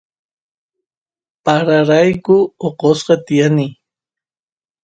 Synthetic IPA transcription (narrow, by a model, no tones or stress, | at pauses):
paɾaɾajkʊoqosqɑt̪ɪjanɪ